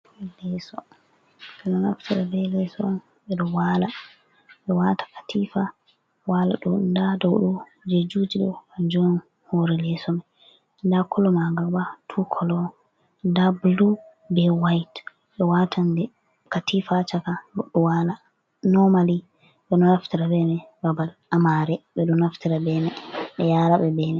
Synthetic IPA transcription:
lɛsɔ | ɓɛnɔna̰ftiɾabɛlɛsɔn | ɓɛɗɔwala | ɓɛwatʰḁkḁtʰifa | wala̰ɗundadɔwɗɔ | d͡ʒed͡ʒud͡ʒiɗɔ̰ad͡ʒɔn | hoɾɛlɛsɔmɛ | ndakʰɔlɔmaɡabatʰukʰɔlɔ | ndablu | bɛwajt | ɓɛwatʰandɛ | katifat͡ʃakaɡɔɗːɔwala | nɔmali | ɓɛnɔnaftiɾabɛmɛbabalamaɾɛɓɛɗɔnaftiɾabɛmɛɓɛjaɾaɓɛbɛmɛ

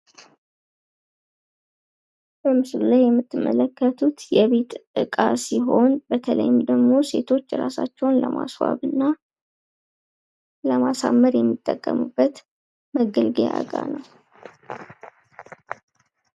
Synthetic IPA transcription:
bəmɨslulajːɛmːɨt̪ːɨmːələkːət̪ʰut̪jɛβe̞t̪ʔɨkʼasiɦo̞nbət̪ʰələ̰jɪmd̪əɡmo̞se̞̰t̪ʰo̞t͡ʃːɾasa̰t͡ʃːɛwnləma̰swa̰βɨnːa | ləmasamːəɾjɛmːit̪ʼːəkʼːəmubːət̪ | məɡəlɡea̰ɡʼanəw

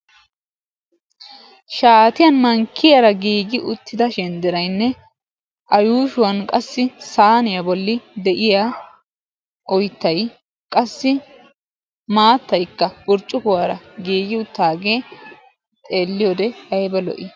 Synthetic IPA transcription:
ʃaːt̪ɪjɐnmɐŋkːɪjaɾɐɡiːɡɪʔʊt̪ːɪd̪ɐʃɛnd̪ɪɾɐjnːɛ | ʔɐjuːʃʊwɐnkʼɐsːɪsaːnɪjɐbɔlːɪd̪ɛʔɪja | ʔɔjt̪ːɐj | kʼɐsːɪ | maːt̪ːɐjkːɐbʊɾt͡ʃʼːʊkʊwaːɾɐɡiːɡɪʊt̪ːaːɡeː | t̪ʼe̞ːlːɪjod̪ɛɐjbɛlɔ̰ʔɪ

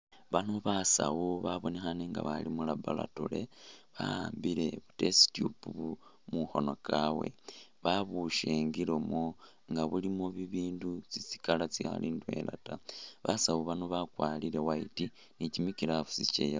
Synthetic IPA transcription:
βanoβasa̰wuβaβo̞nexaneŋɡa̰βalimulabala̰tule̞βa̰aːmbiɾe̞βute̞si̥tjupuβu | muxo̞no̞kawḛβaβuʃeːŋɡiɾomo | ŋɡaβulimoβiβiːndut͡sit͡si̥kalat͡sixa̰lindwe̞̰la̰taβasawuβanoβakwaːliɾe̞waiti | nicimikiɾafusit͡ʃḛja

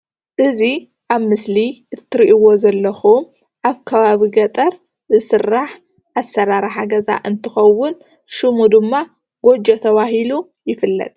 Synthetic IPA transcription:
ʔɨzi | ʔaβmɨsliʔɨt̪ʰːɨɾiʔiwo̞zɐlːɐxum | ʔaβkʰɐβaβiɡɐt̪ʼɐɾ | zɨsɨrːaħ | ʔasːɐɾaɾaħaɡɐza̰ʔɨnt̪ʰɨxɐwːʊn | ʃɨmud̪ɨmːa | ɡ̥o̞d͡ʒɐt̪ʰɐβaɦilu | jɪfɨlːɐ̰t̪ʼ

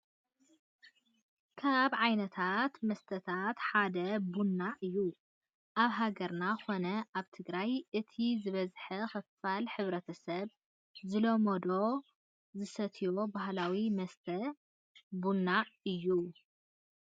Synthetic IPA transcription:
kʰaβʕajnɐt̪ʰat̪mɐst̪ʰɐt̪ʰat̪ħad̪ɐbunːaʔɨjːu | ʔaβɦaɡɐɾnaxo̞nɐʔaβt̪ʰɨɡɾajʔɨt̪ʰizɨβɐzħɐxɐffalħɨβɾɐt̪ʰɐsɐβ | zɨlomod̪o̞ | zɨsɐt̪ʰijo̞baɦlawimɐst̪ʰɐ | bunːaɨjːu

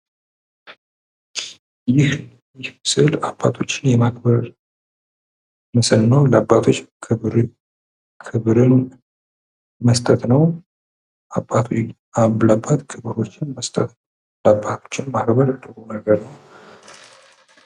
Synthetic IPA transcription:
jɪh | jɪhmɨsɨlabːa̰t̪ʰo̞t͡ʃːɪnjɛmakbəɾ | məsəlnəwləabːat̪ʰo̞t͡ʃːkʰɨɾ | kʰɨβɾɨn | məst̪ʼət̪nəw | ʔabːat̪ʰ | aβlabat̪kʰɨβɾo̞t͡ʃːɪnməst̪ʼət̪nəw | labːat̪ʰo̞̥t͡ʃːɪnmahɾbəɾad̪əɡonəɡəɾnəw

